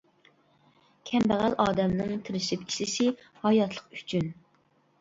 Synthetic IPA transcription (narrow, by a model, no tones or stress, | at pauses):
kʲʰɛmbæʁælʔɑːd̪ɛmnɨŋt̪ʰɪɾɪʃɪpi̥ʃɪsɪ | hɑjɑt̪ʰlˠəqy̥t͡ʃʰyn